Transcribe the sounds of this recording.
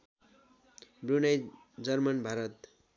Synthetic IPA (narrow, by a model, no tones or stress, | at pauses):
brunaj | d͡zʌrmʌnbʱaɾʌt̪